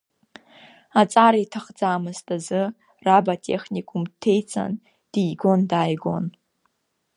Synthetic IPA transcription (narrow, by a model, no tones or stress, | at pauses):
at͡sʼaɾaitʰaχd͡zaːmɨztʼazɨ | rabatʼe̞̰χnikʼumtʰe̞jt͡sʼa̰n | d̥iːɡo̞ndaːjɡo̞̰n